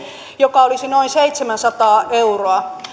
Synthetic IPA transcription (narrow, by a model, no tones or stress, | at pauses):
jokɑolisinoinseit̪semænsɑt̪ɑːʔeuroɑ